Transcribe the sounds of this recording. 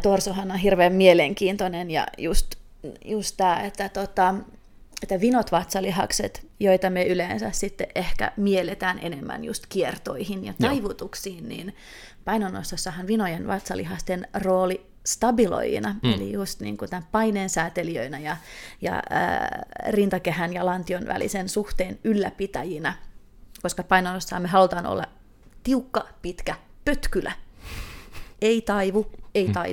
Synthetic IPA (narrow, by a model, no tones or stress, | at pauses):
t̪orsohɑnonhirʋeːmmieleŋkiːnt̪onenjɑ̰just̪ | just̪t̪æːet̪ːæt̪ot̪ɑ | et̪ːæʋinot̪ʋɑt̪sɑliɦɑkset̪joit̪ɑmyøʔyleːnsæ̰ssit̪ːeʔehkæ̰mielet̪æːnḛnemːæ̰njṵst̪kiert̪o̰ihinjɑ̰t̪ɑiʋut̪uksiːnnḭːn | pɑinonːo̰st̪ːɑsːɑhɑnʋinojenʋɑt̪sɑ̰lḭɦɑst̪enroːli | st̪ɑbilo̰j̰nɑḛlḭjust̪nḭːŋkut̪æmppɑineːnsæːt̪eliø̰inæjɑjɑ̰rint̪ɑkeɦænjɑlɑnt̪ionʋʔæ̰lḭsensuht̪eːnylːæpit̪æjinæ | koskɑpɑinonosːɑhɑmeɦɑlut̪ɑːno̰lːɑ̰ | t̪iukːɑpit̪kæpøt̪kylʔæ̰ | eit̪ɑiʋueit̪ɑi